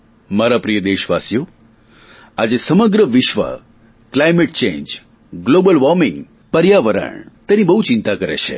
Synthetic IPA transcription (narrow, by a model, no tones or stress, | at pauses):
maɾapɾijəd̪eʃʋasjo | ad͡ʒesəməɡɾəʋɪʃʋə̰ | klajmeʈ̚t͡ʃḛ̃nd͡ʒ | ɡlobəlʋɔɾmɪ̃ŋɡ | pəɾjaʋəɾə̰ɳt̪enibəɦut͡ʃint̪akəɾḛt͡ʃʰḛ